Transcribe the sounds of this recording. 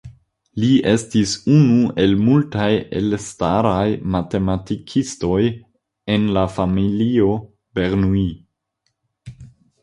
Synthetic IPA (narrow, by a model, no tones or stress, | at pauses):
lie̞stisunue̞lmultajḛlstaɾajmate̞matikʰisto̞j | e̞nlafamilio̞ | be̞ɾnui